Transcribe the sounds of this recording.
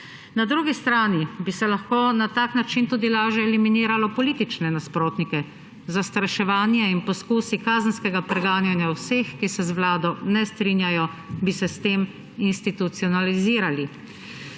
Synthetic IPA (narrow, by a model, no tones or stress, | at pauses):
nad̪ɾuɡist̪ɾaːnibisɛlaxkoːnat̪aːknat͡ʃint̪uːd̪ilaːʒjɛːliminiːɾalɔpɔliːt̪it͡ʃnɛnaspɾoːt̪nikɛ | zast̪ɾaʃɛʋaːnjɛinpɔskuːsikaːzənskɛɡapɾɛɡaːnjanjawsexkisɛzʋlaːd̪ɔnɛst̪ɾiːnjajɔbisɛst̪eːm | inst̪it̪ut̪siɔnaliziːɾali